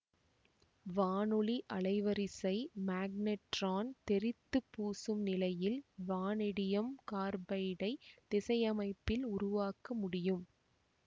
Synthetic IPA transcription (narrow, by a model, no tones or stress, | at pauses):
ʋaːnɯɭiʔɐɭɐɪʋɐɾɪsɐɪmaːɡ̚nɛʈraːnt̪ɛɾɪt̪ːɯpːuːsɯmnɪlɐjɪlʋaːnɪɽɪjɐmkaːɾbɐɪɽɐɪt̪ɪsɐjɐmɐɪpːɪlʊɾʊʋaːkɐmʊɽɪjɯm